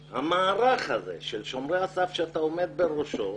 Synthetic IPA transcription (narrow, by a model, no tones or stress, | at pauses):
hamaːɾaχhazḛʃelʃo̞mʁeasafʃeat̪aome̞d̪̚beʁoʃo